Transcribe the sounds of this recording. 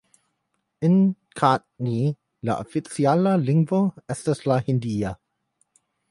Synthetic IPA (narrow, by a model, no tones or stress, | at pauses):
ɪ̃n | kʰatni | la̰ʔɔ̰fisialalĩŋɡvəɛstəslahĩndia